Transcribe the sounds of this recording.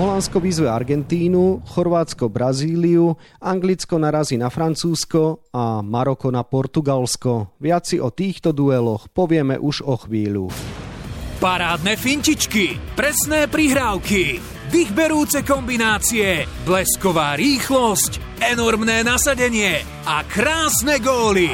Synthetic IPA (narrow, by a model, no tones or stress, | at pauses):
ɦɔlanskɔʋizʋɛaɾɡɛnt̪iːnuxɔɾʋaːt͡skɔbɾaziːliu | aŋɡlit͡skɔnaɾazinafɾant͡suːskɔamaɾɔkɔnapɔɾt̪uɡalskɔʋɪat͡siʔɔt̪iːxt̪ɔd̪uɛlɔxpɔʋɪɛmɛ̰ʔuʒɔxʋiːʎṵ | paɾaːd̪nɛfiɲcit͡ʃkipɾɛsnɛːpɾiɦɾaʊki | d̪iɣbɛɾuːt͡sɛkɔmbinaːt͡siɛ | blɛskɔʋaːɾiːxlɔsc | ɛnɔɾmnɛːnasaɟɛɲɪɛ | akɾaːsnɛɡɔːli